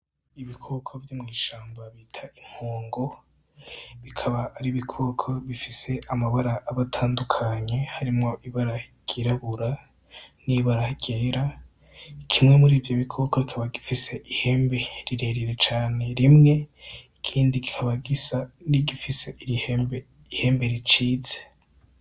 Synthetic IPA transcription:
iβikʰokʰovjoːmŋiːʃaːmbaβiːtʰaim̥hoːŋɡo̞ | βikʰaβaːɾiβikʰoːkʰoβifise̞ʔamaβaɾaʔːβatʰaːndukʰaɲe̞haɾimŋo̞ʔiβaɾaɟ̥iɾaβuɾa | niβaɾahiɟeɾa | kʰimŋe̞muɾiːvjo̞βikʰokokikʰaβaɡifise̞ʔiheːmbe̞ɾiɾe̞ɾiɾe̞t͡ʃaːne̞ɾimŋe̞ikʰiːndiki̥kʰaβaɡizaniɟifise̞ihme | ihe̞ːmbe̞ɾit͡ʃiːze̥

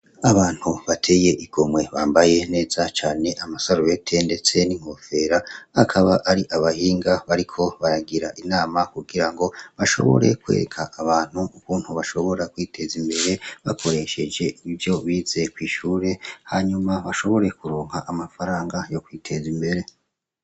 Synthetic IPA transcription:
aβaːn̥huβatʰe̞je̞ʔiɡ̥o̞mwe̞βaːmbaje̞ne̞ːzat͡ʃaːne̞ʔamasaɾoβe̞tʰende̞t͡se̞niŋho̞fe̞ɾaakʰaβaʔaɾiʔaβahiːŋɡaβaɾikʰo̞βaɾaɡiɾaʔinaːmakuɡiɾaŋɡo̞βaʃo̞̰βo̞̰ɾe̞̰kwḛɾekʰaʔːβaːn̥huukuːn̥huβaʃo̞βo̞ɾakwiːtʰe̞zimbe̞ɾe̞βa̰kʰo̞ɾe̞ʃe̞d͡ʒe̞iivjo̞βize̞kwiːʃuːɾe̞haɲumaβaʃo̞βo̞ɾe̞kuɾoːŋhaʔamafaɾaːŋɡajo̞kwiːtʰe̞zimbe̞ɾe̞

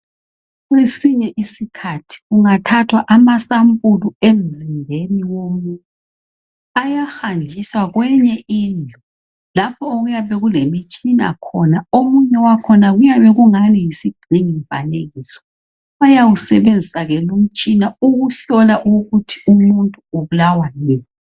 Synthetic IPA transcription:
ɣwesiɲɛʔisikʰatʰi̥ɣuŋatʰatʰwaʔamasampʼuluem̩zimbʱeniwomuntʼu | ajaxand͡ʒʱiswaɣwɛɲɛiːnd͡ɮʱɔ | lapʰɔoɣujaβɛɣulemit͡ʃʼina̰kʰɔnaomuɲɛwakʰɔnaɣujaβɛɣuŋanijisiɡ͡ǀ̥ʱiŋiɱva̰neɣisɔ̥ | βajawusɛβend͡zʱisaɣɛlom̩t͡ʃʼinauɣuɬɔlaʔuɣutʰi̥umuntʼuoβulawalɛːjɔ

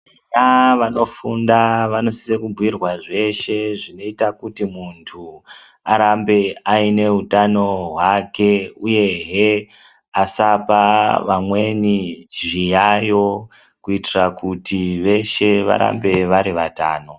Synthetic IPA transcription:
aʋano̞fundaʋano̞si̥sekubʱuwirwaʐe̞ʃe̞ʐino̞itakutimuntʰu | aɾambe̞aine̞ɦutano̞ɦwake̞uje̞ɦe | asapaʋamwe̞niʒijajo̞ | kuitirakutiʋe̞ʃe̞ʋa̰ɾa̰mbe̞ʋaɾiʋata̰ːno̞

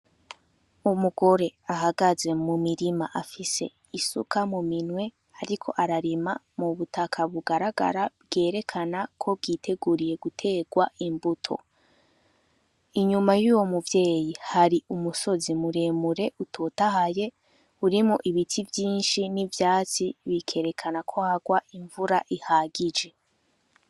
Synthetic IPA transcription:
umuɡo̞ɾe̞aɦaɡaze̞mumiɾimaʔafise̞ | isṵkʰamuminwe̞ | aɾikʰo̞̰ʔaɾaɾima | muβutʰakʰaβuɡaɾaɡa̰ɾab̚ɡe̞ːɾe̞kʰanakʰo̞b̚ɡiːtʰe̞ɡuɾije̞ɡutʰe̞ːɡwaimbutʰo̞̰ | iɲumajuːwo̞muvje̞ːjihaɾiʔumuso̞zimuɾe̞ːmuɾe̞ʔutʰotahaje̞ | uɾimŋoʔiβitʰivjiːnʃinivjaːt͡siβikʰe̞ɾe̞kʰanakʰohaɡwaʔiɱvuɾaʔihaɡid͡ʒe̞

